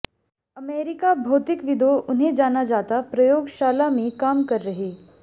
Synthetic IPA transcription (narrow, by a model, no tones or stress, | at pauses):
əmeɾikabʱot̪ikʋid̪ʱoʔun̤ed͡ʒanad͡ʒat̪apɾəjoɡʃaːlamiːkamkəɾːəɦe